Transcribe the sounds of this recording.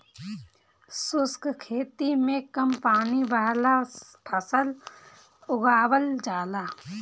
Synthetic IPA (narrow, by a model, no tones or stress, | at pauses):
sʊskkʰeːt̪imẽkəmpaːnibaːlap̪ʰəsəl | ʊɡaːwəld͡ʒaːlaː